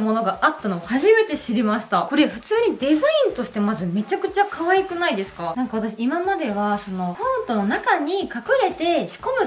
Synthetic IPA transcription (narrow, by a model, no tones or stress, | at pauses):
mo̞no̞ɡaʔat̪ːano̞ːhaʑime̞t̪e̞ɕiɾʲimaɕi̥t̪ako̞ɾeɸɯ̟̥t͡sɨːɲ̟id̪e̞zaĩnt̪o̞ɕi̥t̪e̞mazɨme̞t͡ɕakɯ̟t͡ɕakʰaβaikɯ̟naid̪e̞sɨ̥kanãŋkaβat̪aɕiimamad̪e̞βaso̞no̞kaɯ̟̃nt̪o̞no̞nakaɲ̟ikakɯ̟ɾe̞t̪e̞ɕi̥ko̞mɯ̟